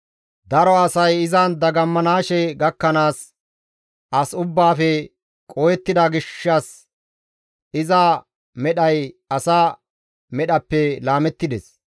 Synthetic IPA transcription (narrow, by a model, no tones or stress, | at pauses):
d̪ɐɾɔɐsɐjɪzɐnd̪ɐɡɐmːɐnaːʃɛɡɐkːɐnaːs | ʔɐsʊbːaːfɛ | kʼɔjɛt̪ːɪd̪ɐɡɪʃːɐs | ɪzɐ | mɛɗɐjɐsaː | mɛɗɐpːɛlaːmɛt̪ːɪd̪ɛs